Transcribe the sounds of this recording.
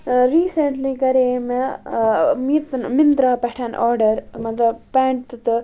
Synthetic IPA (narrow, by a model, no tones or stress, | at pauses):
ɾiːsɐɳʈliɡɐɾeːme | mit̪nmind̪ɾapɐʈʰɐnʔa̰ːɾɖɐɾmɐnd̪ɾɐpeːɳʈ̚t̪ɨt̪ɨ